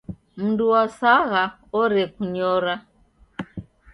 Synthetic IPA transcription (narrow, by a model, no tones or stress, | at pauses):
m̩nduwasaɣa | ɔɾɛkuɲɔɾa